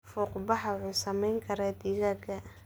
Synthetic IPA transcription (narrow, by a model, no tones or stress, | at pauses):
fɔːqbɑɦɐʕuːsɐmɛjŋkʰɐɾɛd̪iːɣɐɡɐ